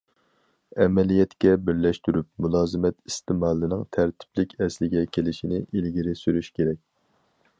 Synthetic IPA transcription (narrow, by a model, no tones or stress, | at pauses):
ɛmɛlijɛt̪kʲɛbɪɾlɛʃt̪yɾyp̚mulˠɑːzɨmɛt̪ist̪ɪmɑːlˠːɨnɪŋt̪ʰæɾt̪ʰɪ̥plɪkʲʰɛslɪɡʲɛkʲʰelɪʃinɪʔilɡʲiɾɪsyɾyʃkʲeɾɛkʲ